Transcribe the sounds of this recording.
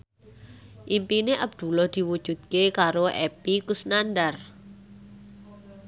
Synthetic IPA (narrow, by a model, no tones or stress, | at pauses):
ʔimpineʔab̚d̪̥ṳlɔhd̪̥i̤wud̥ʒ̥ṳd̪̚kekaɾoʔɛpikusnandar